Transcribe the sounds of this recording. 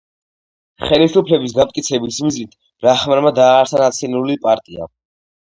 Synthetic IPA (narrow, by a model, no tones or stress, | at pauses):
χɛlisupʰlɛbis̬ɡamt̪kʼit̪sʰɛbismiznit̪ʰ | ɾaχmaɾmad̪aːɾsʰanat̪sʰinulipʼaɾt̪ʼia̰